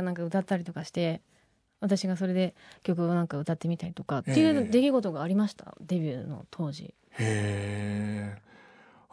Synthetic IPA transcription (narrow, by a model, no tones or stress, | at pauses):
nãŋkaɯ̟t̪at̪ːaɾʲit̪o̞kaɕi̥t̪e̞ | βat̪aɕiɡaso̞ɾe̞d̪e̞kʲo̞kɯ̟o̞nãŋkaɯ̟t̪at̪ːe̞mʲit̪aɾʲit̪o̞kat̪ːe̞jɯːd̪e̞kʲiɡo̞t̪o̞ɡaːɾʲimaɕi̥t̪a̰d̪e̞bʲɨːno̞̰t̪ʰo̞ːʑḭ | he